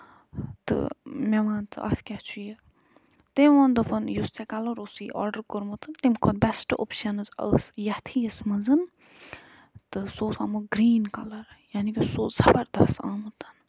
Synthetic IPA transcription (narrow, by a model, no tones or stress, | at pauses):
t̪ɨ̰mʲɛʋaːnt̪ʰɨ̰ʔɐ̰fkʲat͡ʃʰuje | t̪emʋɐnd̪ɨpɨnjust͡sɛkɐlɐɾosiːʔɔ̰ɾɖəɾkoɾmut̪ɨnt̪emkʰot̪bɛsʈo̰pʃɐnɨzɐ̰ːsjɐt̪ʰijəsmɐzɨn | t̪ɨsoːsaːmuɡɾiːnkɐlɐɾjaːnikisoːzɐbɐɾd̪ɐsaːmɨt̪ɐ̥n